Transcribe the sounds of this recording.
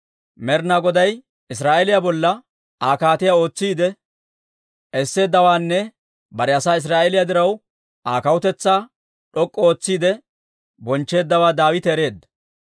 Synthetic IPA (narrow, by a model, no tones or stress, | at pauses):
mɛɾnaɡɔd̪ɐj | ɪs̬ɾaːʔɛlɪjabɔlːɐ | aːkaːt̪ɪjao̞ːt͡sːiːd̪ɛ | ʔɛsːe̞ːd̪ːɐwaːnːɛ | bɐɾɛɐsaːɪs̬ɾaːʔelɪjad̪ɪɾɐw | ʔaːkɐwʊt̪ɛt͡sːaː | ᶑɔkʼːɔo̞ːt͡sːiːd̪ɛ | bɔnt͡ʃːe̞ːd̪ːɐwaːd̪aːwɪt̪ɛːɾe̞ːd̪ːɐ